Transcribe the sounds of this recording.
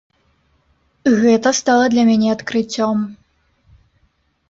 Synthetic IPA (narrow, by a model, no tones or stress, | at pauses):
ɣɛt̪ɐst̪ɑlˠəd̪lʲɐmʲenʲɛɐt̪kɾɨt͡sʲɔm